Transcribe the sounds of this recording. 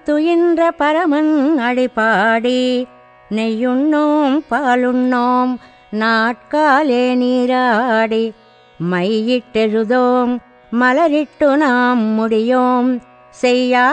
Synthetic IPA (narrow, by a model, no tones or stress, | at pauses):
t̪ʊjɪndrɐpɐɾɐmɐnɐɻipːaːɽi | nɛjɯɳːoːmpaːlɯɳːoːm | naːʈ̚kaːleːniːɾaːɽi | mɐɪjɪʈːɛɻɯðoːmː | ɐlɐɾɪʈːɯnaːmmʊɽɪjoːm | sɛjːaː